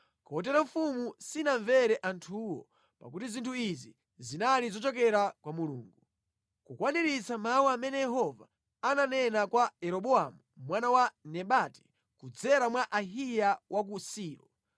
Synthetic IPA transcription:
kɔɔt̬ɛɾaɱfumusinaɱvɛɾɛʔantʰuwɔ̰ | pa̰kutizintʰuizi | zinalizɔt͡ʃɔkɛɾakwamulṵːŋɡu | kukwaniɾit͡samawaamɛnɛjɛɦɔva̰ː | nanɛnakwaɛɾɔɓɔamumwanawanɛɓatɛ̥ | kud͡zɛɾamwaʔaɦijawʔak̬usiːɾɔ

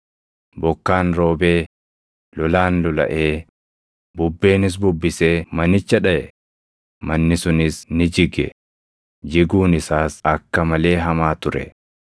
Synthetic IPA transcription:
bɔkːaːnɾo̞ːbe̞ː | lɔlaːnlɔlɐ̰ʔe̞ː | bʊbːe̞ːnɪs̬bʊbːɪse̞ːmɐnɪt͡ʃːɐᶑɐʔɛ | mɐnːɪsʊnɪsnɪd͡ʒɪɡɛ̰ | d͡ʒɪɡuːnɪsaːsɐkːɐmɐle̞ːɦɐmaːt̪ʊɾɛ̰

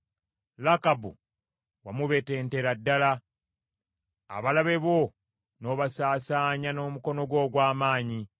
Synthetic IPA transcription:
lakabṵ | wamuβe̞te̞ːnte̞ɾadːala | a̰βalaβe̞βo̞ | no̞ːβasaːsaːɲano̞ːmuko̞no̞ɡwo̞ːɡwaːmaːɲi

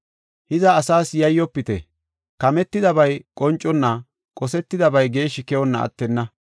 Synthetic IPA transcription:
hɪzɐːsaːsjɐjːɔpːɪt̪ɛ̰ | kɐmɛt̪ːɪd̪ɐbɐjkʼɔnt͡ʃʼːɔnːɐ | kʼɔsɛt̪ːɪd̪ɐbɐjɡe̞ːʃɪkɛwɔnːɐʔɐ̰t̪ːɛnːɐ

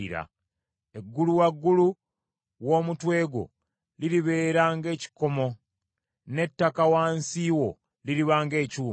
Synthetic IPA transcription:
ḭɾa̰ | e̞ɡːuluwaɡːulu | wo̞ːmutwe̞ːɡo̞̰ | liɾiβe̞ːɾaːŋɡe̞ːci̥ko̞mo̞ | ne̞tːakawaːnsiːwo̞ | liɾiβaːŋɡe̞ːcuː

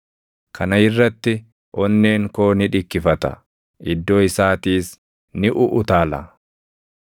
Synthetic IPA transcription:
kʰɐnɐɪrːɐt̪ːɪ | ʔɔnːeːŋko̞ːnɪᶑɪkːɪfɐt̪ɐ̰ | ʔɪd̪ːo̞ːɪsaːt̪iːs | nɪʔʊʔʊt̪aːlɐ̰

